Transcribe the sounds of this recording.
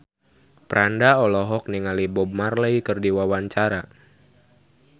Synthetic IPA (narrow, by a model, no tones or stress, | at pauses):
pɾandaɔlɔɦɔk̚niŋalibɔb̚marləikɨrdiwawaɲt͡ʃaɾa